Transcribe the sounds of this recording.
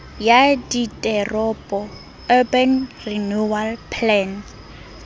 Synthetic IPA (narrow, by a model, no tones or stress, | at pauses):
jaditʼɛrɔpʼɔ | ɔbɛnrinualpʰlɛn